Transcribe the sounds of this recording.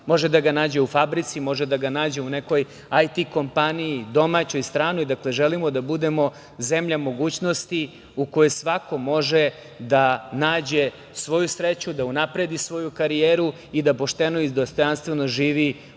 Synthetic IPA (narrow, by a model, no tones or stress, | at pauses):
mo̞ʒed̪aɡanaːd͡ʑe̞ufabɾit̪simo̞ʒed̪aɡanaːd͡ʑe̞une̞ko̞j | ajt̪iko̞mpaniid̪o̞mat͡ɕo̞jst̪ɾaːnuid̪akleʒelimod̪abud̪e̞mo̞ | zemʎamo̞ɡuːt͡ɕno̞st̪i | uko̞jesʋako̞mo̞ʒe | d̪anaːd͡ʑe̞ | sʋo̞jusɾet͡ɕud̪aunapɾed̪isʋo̞jukaɾijeːɾu | id̪apo̞ʃt̪e̞noid̪ost̪ojanst̪ʋe̞no̞ʒiːʋi